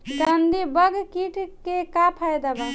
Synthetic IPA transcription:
kənd̪ibəɡkiʈkekapʰajd̪aba

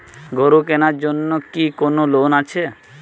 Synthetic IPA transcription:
ɡoɾukenaɾd͡ʑonːokikonolonat͡ɕʰe

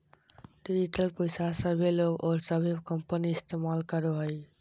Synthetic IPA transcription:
ɖid͡ʒiʈəlpəjsasəbʱeloɡɔːɾsəbʱekəmpəniɪst̪emalkəɾoɦəj

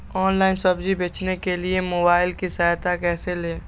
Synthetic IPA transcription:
ɔːnlaːɪnsɐbd͡ʒibeːt͡ʃnekeliemoːbaːɪlkisaːjt̪akɛːseleː

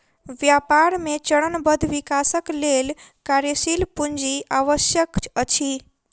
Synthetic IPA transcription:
ʋjapaɾmet͡ʃəɽənbəd̪ʱʋikasəklelkaɾjəsilpuɲd͡ʒiʔaʋəsjəkət͡ʃʰi

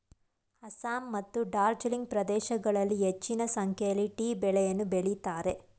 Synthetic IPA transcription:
hɐsaːmːɐt̪ːuɖaːɾd͡ʒɐliŋɡ̚pɾɐd̪ɛːʃɐɡɐɭɐlːiɦet͡ʃːinɐsɐŋkʰjɐjɐlːiʈiːbɛɭɛjɐnːubeɭit̪aːɾe̞

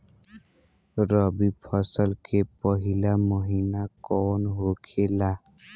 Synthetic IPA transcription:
ɾʌbipʰʌsəlkepɔɦilamɔɦinakɔnɦokʰela

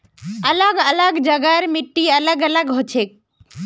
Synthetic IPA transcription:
ɐləɡələɡd͡ʒəɡəɾmɪʈːiələɡələɡɦot͡ʃʰeːk̚

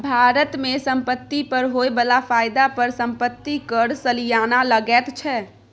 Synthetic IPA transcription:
bʱaɾət̪mesəmpət̪ːipəɾɦoebəlapʰajd̪apəɾsəmpət̪ːikəɾsəlijanaləɡɛt̪t͡ʃʰɛ

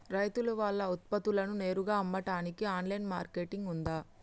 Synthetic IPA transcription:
ɾɐjt̪ulɐʋaːɭːɐut̪̚pɐt̪ulɐnune̞ːɾuɡaːɐmːɐʈaːnikiaːnlɐjnmaːɾke̞ːʈiŋɡund̪aː

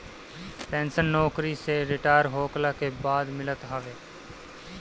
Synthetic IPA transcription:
pɛ̃ːnsənːɔːkɾiseɾɪʈaːjɾɦoːklakebaːd̪mɪlət̪ɦaːʋeː

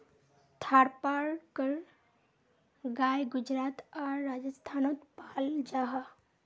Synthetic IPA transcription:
t̪ʰaɾpaɾkəɾ | ɡajɡud͡ʒɾat̪aɾːad͡ʒəst̪ʰanot̪pald͡ʒaɦa

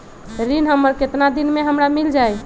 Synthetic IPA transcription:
ɾinɦəmːəɾket̪nad̪inmeɦəmɾamild͡ʒaj

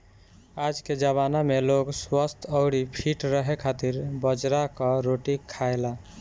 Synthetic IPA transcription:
ad͡ʒked͡ʒəβanameloɡswəst̪ʰəʊɽipʰiʈɾəɦekʰat̪iɾbəd͡ʒɾakɔɾoʈikʰaela

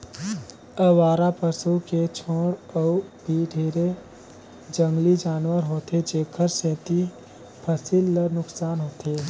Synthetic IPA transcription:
əʋaːɾapəsuket͡ʃʰoːɽəubʱiɖʱeːɾe | d͡ʒə̃ŋɡlid͡ʒaːnwəɾɦoːt̪ed͡ʒeːkʰəɾsẽːt̪i | pʰəsilːənʊksaːnɦoːt̪eː

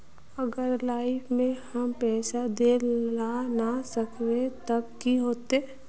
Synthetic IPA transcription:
əɡəɾlaːɪfmẽhɐmpɛːsad̪elanasəkʰwet̪ɐkːiɦoːt̪e

